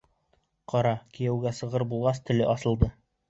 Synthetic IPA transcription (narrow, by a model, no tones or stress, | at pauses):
qɒɾɑkĭjæwɡæsɤ̆ʁɤɾbulˠʁɑst̪ɵ̆lɘʔɑsɤ̆lˠd̪ɤ